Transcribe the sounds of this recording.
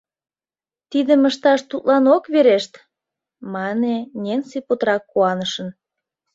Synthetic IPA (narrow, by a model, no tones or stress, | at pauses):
t̪id̪əməʃt̪ɑʃt̪ut̪lɑnokβeɾeʃt̪ | mɑnenʲensipot̪ɾɑkːuɑnəʃə̆n